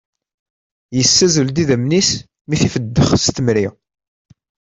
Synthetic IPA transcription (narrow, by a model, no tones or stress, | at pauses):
jəsːæzəld̪iðæmnis | miθifəd̪ːəχst̪əmɾiʁ